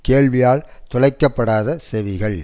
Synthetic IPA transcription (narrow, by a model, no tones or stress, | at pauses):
keːɭʋɪjaːɭt̪ʊlɐɪkːɐpːɐɽaːðɐsɛʋɪɣɐɭ